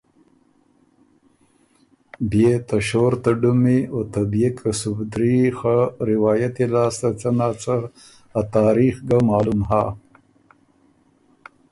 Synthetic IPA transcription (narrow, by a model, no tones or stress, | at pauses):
bjet̪aʃoɾt̪aɖumiot̪abjekʰasubd̪ɾixaɾɪwɑːjat̪ilaːst̪at͡sanaːt͡sa | at̪aːɾixɡamɑːlumɦa